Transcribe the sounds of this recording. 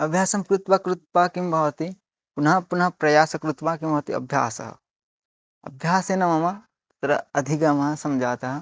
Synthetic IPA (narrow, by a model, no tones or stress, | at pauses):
ɐbʱjaːsɐmkɾut̪ʋɐkɾut̪paːkimbʱɐʋɐt̪i | punɐpunɐpɾɐjaːsɐkɾut̪ʋaːkimbʱɐʋt̪iɐ̰bʱja̰ːsɐ̰ɦɐ̰ | ɐ̰bʱjaːseːnɐmɐmɐ | t̪ɐɾɐɐd̪ʱikɐmɦɐ̃sɐmd͡ʒʱaːt̪aɦɐ